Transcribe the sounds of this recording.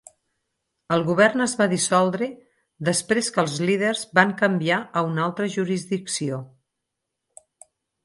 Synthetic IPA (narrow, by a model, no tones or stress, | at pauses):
əlˠɣuβ̞ɛrnəzβaðisɔlˠd̪ɾe | ðəspɾeskəlˠzlið̞ərzbaŋkəmbiaəunalˠt̪ɾəʒuɾizðiksio